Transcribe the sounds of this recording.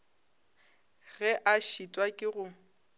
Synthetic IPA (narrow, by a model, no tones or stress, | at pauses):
ɣɛʔaʃitʼwakʼɪɣʊ